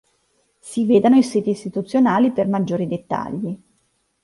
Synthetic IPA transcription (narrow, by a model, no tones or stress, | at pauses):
siveːd̪anoisiːt̪iːst̪it̪ut̪sːjonaːlipermad͡ʒːoːɾid̪et̪ːa̰ʎːi